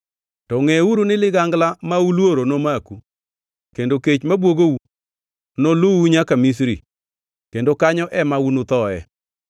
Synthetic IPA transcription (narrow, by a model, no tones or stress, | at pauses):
tɔŋɛuɾunɪlɪɡaŋɡlamaulwoɾonomaku | kendoket͡ʃmabwoɡou | noluuɲakamis̬ɾḭ | kendokaɲɔʔɛmaunʊt̪ɔɛ